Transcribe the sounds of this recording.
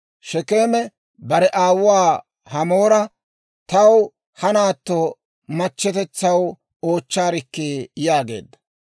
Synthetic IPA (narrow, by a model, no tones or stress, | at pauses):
ʃɛkeːmɛ | bɐɾɛʔaːwwaː | hɐmo̞ːɾɐ | t̪ɐw | hɐnaːt̪ːoː | mɐt͡ʃːɛt̪ɛt͡sːɐw | o̞ːt͡ʃːaːɾɪkːeːjaːɡe̞̰ːd̪ːɐ̥